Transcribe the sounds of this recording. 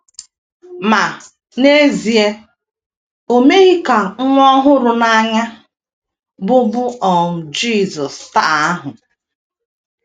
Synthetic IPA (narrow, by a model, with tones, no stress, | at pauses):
ma˨ | ne˦zi˨e˦ | o˨me˦ɣi˦ka˨ŋ̩˦ŋʷɔ˦ɦʊ˦ɾʊ˨na˦ɲa˦ | bʊ˦bʊ˦ɔ˨m̩˨d͡ʒi˦˨zɔ˨sta˦˨a˦ɦʊ˨